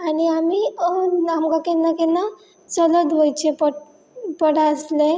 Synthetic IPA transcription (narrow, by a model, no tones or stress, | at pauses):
aniamiənamɡakenːakena | sələd̪ɦojt͡ʃʰepə | pəɽaəsle